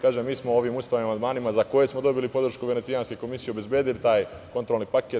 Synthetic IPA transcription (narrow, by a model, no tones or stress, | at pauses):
kaːʒemːiːsmoo̞ʋimust̪animamand̪maːnimazako̞jesmo̞d̪o̞bilipo̞d̪ɾ̩ʃkuʋe̞nesijanske̞ko̞misije̞obe̞zbjeːd̪ilit̪aːj | ko̞nt̪ɾo̞lˠnipake